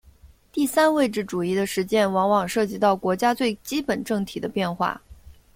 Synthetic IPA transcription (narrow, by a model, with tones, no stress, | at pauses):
t̪i˥˩sa˥nwe˥˧ɪʈ͡ʂɻ̩˥˩ʈ͡ʂu˨˩i˥˩d̪ə˧ʂɻ̩˧˥t͡ɕjɛ˥˩nwɑ˧˥ŋwɑ˨˩ŋʂɤ˥˩t͡ɕi˧˥t̪ɑ˥˩ʊkwɔ˧˥t͡ɕja˥t͡swe˥˩ɪt͡ɕi˥pə˨˩nʈ͡ʂɤ˥˩ŋt̪ʰi˨˩d̪ə˦pjɛ˥˧nxwa̰˥˩